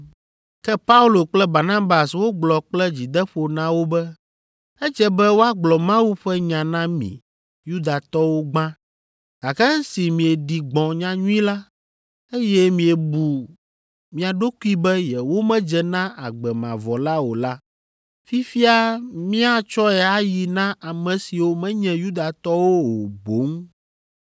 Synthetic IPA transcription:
kɛ˦pa˦u˦lo˨k͡plɛ˦ba˨ɾnã˦ba˨swo˦ɡ͡blɔ˨k͡plɛ˦d͡ʑi˨d̪ɛ˦ɸo˨nã˦wo˦bɛ˦ | ɛ˦d͡ʒɛ˦bɛ˦wo˦a˦ɡ͡blɔ˨mã˦wu˦ɸɛ˦ɲã˨nã˦mḭ̃˨ | ju˦d̪a˨t̪ɔ˦wo˦ɡ͡bã˦ | ɡ̥a˨kɛ˦ŋ̩̃˦si˨mĩ˨ɛ˨ɖi˨ɡ͡bɔ̃˨ɲã˦ɲũ˦ĩ˦la˦ | e˦jɛ˦mĩ˨ɛ˨bu˨ | mĩ˨a˨ɖo˦ku˦i˦bɛ˦jɛ˨wo˦mɛ̃˦d͡ʒɛ˨nã˦ʔa˨ɡ͡bɛ˨mã̰˨vɔ˨la˦wo˨la˦ | fi˦fi˦a˦mĩ˦a˨t͡ʃɔ˦ɛ˨a˦ji˨nã˦ʔa˨mɛ̃˨si˨wo˦mɛ̃˦ɲɛ̃˨ju˦d̪a˨t̪ɔ˦wo˦wo˨bo˨˦ŋ

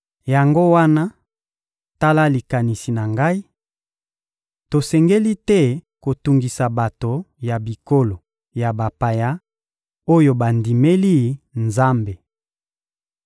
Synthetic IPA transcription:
ja˨ŋɡo˦wa˦na˦ | ta˦la˦li˨ka˨ni˨si˨na˨ŋɡa˦i˦ | to˨sɛ˨ŋɡe˦li˦tɛ˦˨ko˨tu˨ŋɡi˨sa˨ba˨to˨ja˨bi˨ko˦lo˨ | ja˨ba˨pa˨ja˦ | o˦jo˦ba˨ndi˨me˦li˦nza˦mbe˨

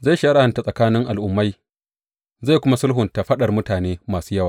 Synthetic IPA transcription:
za˦˨jʃa˦ɽa˦ha˨nta˨sʼɐ˨kaː˦nɪ˦ŋʔa˨lʔʊ˨mːa˦j | za˦˨kʷʊ˦ma˦sʊ˦lɦʊ˨nta˨ɸɐ˦ɗɐ˨rmʊ˦taː˨neː˦maː˨suː˦jɐ˦waː˨

